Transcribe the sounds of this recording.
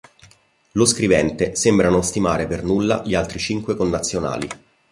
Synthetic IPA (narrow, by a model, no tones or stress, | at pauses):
loskɾivɛnt̪esembɾanost̪imaːɾepernulːa̰ʎialt̪ɾit͡ʃiŋkwekonːat̪sːjona̰ːlḭ